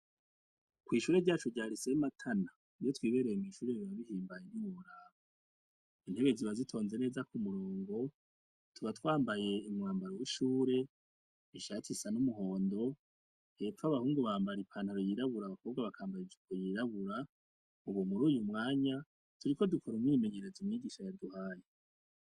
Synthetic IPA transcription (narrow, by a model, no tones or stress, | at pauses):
kwiːʃuːɾe̞ɟaːt͡ʃuɟaːɾisematʰana | ijo̞twiːβe̞ɾejemiːʃuːɾe̞βiβaβihiːmbajeniwoɾaβo | in̥he̞βe̞ziβazitʰo̞ːnze̞ne̞ːzakumuɾoːŋɡo̞ | tuβatwaːmbaje̞imŋaːmbaɾowiʃuːɾe̞ | iʃacisanumuɦo̞ːndo̞ | hetwaβahuːŋɡoβaːmbaɾipʰanhaɾojiɾaβuɾaβakʰo̞ːβɡaβakʰaːmbaɾid͡ʒikʰojiɾaβuɾa | uβomuɾuːjumŋaːɲa | tʰuɾiko̞dukʰoɾomwime̞ɲe̞ɾezimɲiɡiːʃajaduhaːje